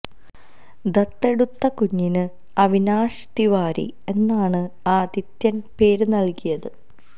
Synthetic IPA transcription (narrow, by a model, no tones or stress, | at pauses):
d̪ɐt̪ːe̞ɽut̪ːɐkuɲːinɨ | ɐʋinaːʂt̪iʋaːɾḭe̞nːaːɳɨaːd̪it̪jɐnpe̞ːɾnɐlkijɐðɨ